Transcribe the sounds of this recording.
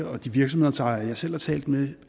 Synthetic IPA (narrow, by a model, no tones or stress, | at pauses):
ɐɒ̽d̥iʋiɐɡ̥sɒmh̝ð̰ˠɐ̥t͡sʰɑ̈ɪæjɑ̈ɪsel̰hɑ̈t͡sʰɛ̰ːld̥me